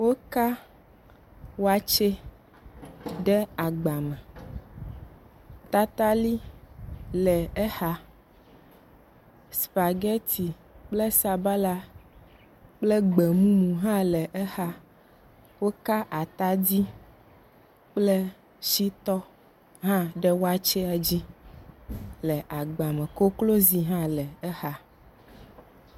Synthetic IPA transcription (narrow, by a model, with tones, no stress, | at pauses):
wo˦ka˦ | wo˦a˨t͡ʃe˦ | ɖɛ˦a˨ɡ͡ba˨mɛ̃˨ | t̪a˦t̪a˦li˦ | lɛ˨ɛ˦xa˦ | spa˨ɡɛ˦t̪i˨ | k͡ple˦sa˨ba˦la˦ | k͡plɛ˦ɡ͡be˨mũ˦mũ˨ɦã˦lɛ˨ʔɛ˦xa˦ | wo˦ka˦ʔa˨t̪a˦d̪i˦ | k͡ple˦ | ʃi˦t̪ɔ˦ | ɦã˦ɖɛ˦wo˦a˦t͡ʃɛ˦a˨d͡ʑi˦ | lɛ˨ʔa˨ɡ͡ba˨me˨ko˦klo˦zi˨ɦã˦lɛ˨ɛ˦xa˦